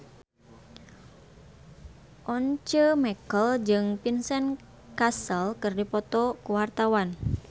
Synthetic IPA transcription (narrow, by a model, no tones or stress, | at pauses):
ʔɔnt͡ʃəmɛkəld͡ʒɨŋpinsɛn | kasəlkɨrdipɔt̪ɔkuwart̪awan